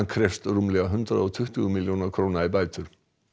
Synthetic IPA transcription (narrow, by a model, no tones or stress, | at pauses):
nkʰɾɛft̪rumlɛɣaɦʏnt̪ɾaðɔt̪ʰʏht̪ʏɣmiljoːnaɾkʰɾoːnaibaːjt̪ʏɾ̥